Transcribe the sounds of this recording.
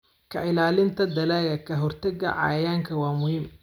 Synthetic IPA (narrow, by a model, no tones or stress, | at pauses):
kʰɐʔɪlaːlɪnt̪ʰɐd̪ɐlaːɣɐkʰɐɦɔrt̪ʰɐɡɐ̰ʕɑ̰jaːŋkʰɐwɑːmʊhim